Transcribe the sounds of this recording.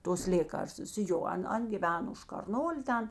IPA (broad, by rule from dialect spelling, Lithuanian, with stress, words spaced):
toːs ˈlʲeːkɐrstʊs ˈjoː ˈɐn ˈɐn ɡʲɪˈʋʲæːnoː ʊʃ kɐrˈnoːlʲeː ˈtʲɛn